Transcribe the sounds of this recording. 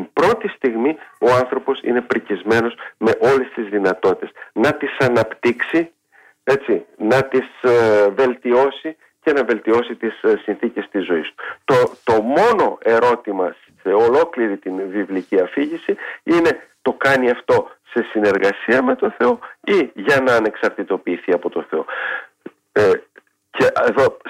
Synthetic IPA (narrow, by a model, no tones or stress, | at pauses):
imbɾo̞t̪ist̪iɣmio̞ɐnθɾopo̞sḭne̞pɾicizme̞no̞sme̞ʔo̞le̞st̪izðinɐt̪o̞t̪it̪esnɐt̪isɐnɐpt̪iksi | e̞t͡sinɐt̪isve̞lt̪io̞si | ce̞nɐve̞lt̪io̞sit̪issːinθice̞st̪izo̞ist̪u̥t̪ot̪o̞mo̞no̞e̞ɾo̞t̪imɐs | eolo̞kliɾit̪invivliciɐfiʝisiine̞t̪o̞kɐniɐft̪o̞se̞sine̞ɾɣɐsiɐme̞t̪o̞nθe̞o̞iʝɐnɐːne̞ksɐɾt̪it̪o̞piːθiɐpo̞t̪o̞θe̞o̞ | e | ceʔeðo̞